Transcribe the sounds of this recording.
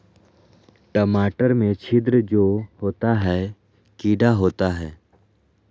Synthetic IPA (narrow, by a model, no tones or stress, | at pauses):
ʈəmaːʈəɾmẽt͡ʃʰɪd̪ɾəd͡ʒoːhoːt̪aɦɛː | kiːɖaɦoːt̪aɦɛː